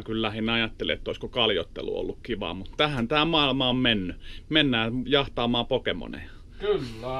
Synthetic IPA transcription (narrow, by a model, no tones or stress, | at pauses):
kyllæhinɑjɑt̪ːelḭḛt̪ːoiskokɑljot̪ːḛlṵo̰lːukkiʋɑ̰ːmut̪t̪æhænt̪æːmɑilmɑommenːymenːæːjɑht̪ɑːmɑːpokemo̰nḛ | kl